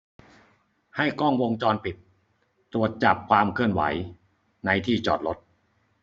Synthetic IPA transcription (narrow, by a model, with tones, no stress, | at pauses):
ha˥˩jkɔː˥˩ŋwo˧ŋt͡ɕɔː˧npi˨˩t̪̚ː | ɾu˨˩ət̪̚t͡ɕa˨˩p̚kʰwaː˧mkʰɯ˥˩ənwa̰˩˦j | na˧jt̪ʰiː˥˩t͡ɕɔ̰ː˨˩t̪̚lo˦˥t̪̚